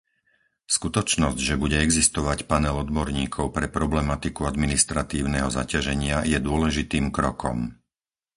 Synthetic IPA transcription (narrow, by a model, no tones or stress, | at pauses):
skut̪ɔt͡ʃnɔzɟʒɛbuɟɛɛɡzist̪ɔʋacpanɛlɔd̪bɔɾɲiːkʰɔʊpɾɛpɾɔblɛmat̪ikuad̪minist̪ɾat̪iːʊnɛɦɔza̰caʒɛɲɪajɛd̪ʊɔlɛʒit̪iːmkɾɔkɔ̰m